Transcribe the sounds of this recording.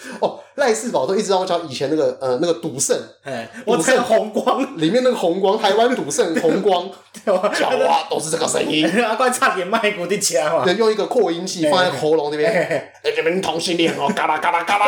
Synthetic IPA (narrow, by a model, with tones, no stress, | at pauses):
ɔ˥˩la˥˧ɪsɹ̩˥˩pɑ˨˩t̪o˧ʊi˥˧˥ŋ˧˩jɑ˧˥ŋi˨˩t͡ɕʰjɛ˧˦na˥˩ɡə˩ə˩na˥˩ɡə˨˩t̪u˨˩sə˥˩n˩t̪ːsə˥˨xʊ˧˥ŋkwɑ˦˥ŋli˨˩mjna˥˩ɡə˩xʊ˧˥ŋkwɑ˥ŋt̪ʰa˧˥ɪwa˥nt̪u˨˩sə˥˩nxʊ˧˦˥ŋkwɑ˥ŋ | t͡ɕɑ̰˨˧˦a˨˩t̪o˥ʊʂɻ̩˥˧a˥˩ɡə˨˩sə̰˧˥ŋi˦na˧˩kwa˥t͡sʰa˥˧˩t̪jɛ˨˩˦nma˥˩ɪku˨˩t̪i˥˩t͡ɕʰɛ˧˦˧jʊ˥˧ŋi˧˥ɡə˧kʰwɔ˥˩i˥nt͡ɕʰi˥˧˩fɑ˥ŋa˧˥˧ɡxo˧˥ʊlʊ˧˦ŋn˥˧˩bjɛ˥˩˨n | e˥˩n˥˩m˥˧ni˥˧t̪ʰʊ˧˥ŋɕi˥˧nli˥˩˨ŋo˧˩ka˥la˧˩ka˥la˧˩ka˥a˧